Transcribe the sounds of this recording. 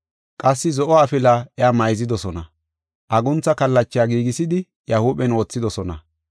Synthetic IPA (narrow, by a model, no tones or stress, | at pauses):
kʼɐsːɪzɔʔɔːfɪlaːʔɛaːmɐjzɪd̪ɔsɔnɐ | ʔɐɡʊnt͡sːɐkɐlːɐt͡ʃːɪjaːɡiːɡɪsɪd̪ɪ | jɐhuːɓɛno̞ːt͡sːɪd̪ɔsɔnɐ̰